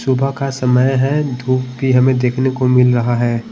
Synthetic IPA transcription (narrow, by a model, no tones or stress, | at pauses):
sʊbʱakasɐməjɦɛd̪ʱuːpbʱiɦɐmẽd̪eːkʰnekomɪlɾɐɦaɦɛː